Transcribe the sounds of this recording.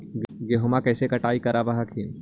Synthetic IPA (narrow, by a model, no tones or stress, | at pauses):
ɡeɦomakɛːsekɐʈaːikɐɾabɐɦakʰin